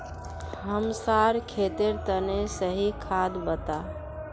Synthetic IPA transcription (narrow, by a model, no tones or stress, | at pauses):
ɦəmsaɾkʰet̪eɾt̪ənesəɦikʰad̪bət̪a